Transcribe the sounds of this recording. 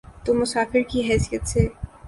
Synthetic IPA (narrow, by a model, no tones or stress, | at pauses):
t̪omʊsaːfɪɾkiɦɛːsijət̪se